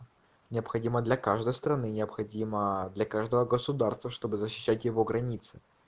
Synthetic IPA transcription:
nʲɪəpxɐdʲiməd̪lʲɐkaʐd̪əjst̪ɾɐnɨnʲɪəpxɐdʲiməd̪lʲɐkaʐd̪əvəɡəsʊd̪arst̪vəʂt̪o̞bɨzəɕːɪ̥ɕːætʲjɪvo̞ɡɾɐnʲit̪sɨ̥

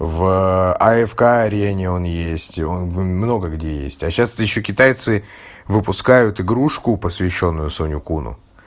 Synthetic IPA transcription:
vɐɛfkaɐɾʲenʲɪo̞njesʲtʲonvmno̞ɡəɡdʲejḛsʲtʲɐɕast̪jɪɕːokʲɪt̪ajt̪sɨ | vɨpʊskajʊt̪ɪɡɾuʂkʊpəsvʲɪɕːo̞nːʊjʊsonʲʊkunʊ̰

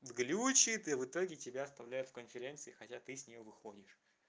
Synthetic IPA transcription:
vɡlʲut͡ɕɪt̪ɨvɨt̪o̞ɡʲɪtʲɪbʲaɐst̪ɐvlʲæjʊt̪fkənfʲɪɾʲe̞nt̪sɨɪxɐtʲat̪ɨsʲnʲɪjovɨxodʲɪʂ

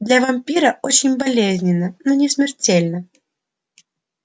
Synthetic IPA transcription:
d̪lʲɐvɐmʲpʲiɾəʔot͡ɕɪnʲbɐlʲezʲnʲɪnːənonʲɪsmʲɪrtʲelʲnə

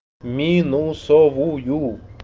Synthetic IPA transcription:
mĩnũsoβuju

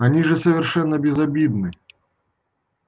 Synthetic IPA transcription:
anʲiʐɛsɐvʲɛrʂɛnːɐbʲɛzabʲid̪nɨ

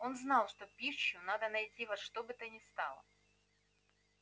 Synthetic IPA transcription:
o̞nznɑlˠʂt̪opʲiɕːʊnad̪ənɐjtʲivɐʂt̪obɨt̪ənʲɪst̪ɑlˠə̰

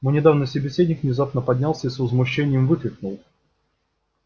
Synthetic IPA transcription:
munʲɪd̪avnɨjsəbʲɪsʲedʲnʲɪkvnʲɪzapnəpɐdʲnʲalˠsʲəisvəzmʊɕːenʲɪjəmvɨkɾʲɪk̚nʊlˠ

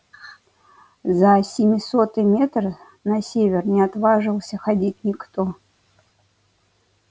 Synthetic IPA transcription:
zəsʲɪmʲɪsot̪ɨmʲet̪rɨ | nɐsʲevʲɪrnʲɪat̪vaʐɨlˠsʲəxadʲit̚ʲnʲɪkt̪o

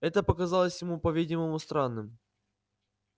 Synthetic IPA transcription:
ɛt̪əpəkɐzalˠəsʲjɪmupɐvʲidʲɪməmʊst̪ɾanːɨm

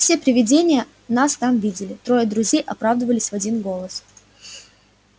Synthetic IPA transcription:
fsʲe̞pɾʲɪvʲɪdʲenʲɪjə | nast̪amvʲidʲɪlʲɪt̪ɾo̞jəd̪ɾʊzʲejʔɐpɾavd̪əvəlʲɪsʲvɐdʲinɡo̞lˠəs

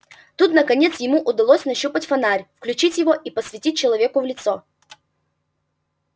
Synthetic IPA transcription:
t̪ut̪nəkɐnʲe̞t̪sjɪmuʔʊd̪ɐlˠosʲnɐɕːupətʲfɐnaɾʲfklʲʉt͡ɕitʲjɪvoʔipəsvʲɪtʲit̚ʲt͡ɕːɪlˠɐvʲe̞kʊvlʲɪt̪so

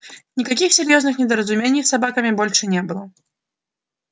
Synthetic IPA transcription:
nʲɪkɐkʲixsʲɪɾʲjoznɨxnʲɪd̪əɾəzʊmʲenʲɪjsɐbakəmʲɪbolʲʂɨnʲebɨlˠə

